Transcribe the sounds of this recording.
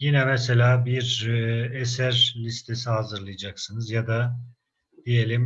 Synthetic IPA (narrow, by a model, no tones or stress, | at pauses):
jinɛmɛse̞lʲaːbiɾesæɾlʲist̪ʰesiɦazɯɾlˠɯjad͡ʒaksɯnɯzjad̪a | d̪̥ije̞lʲim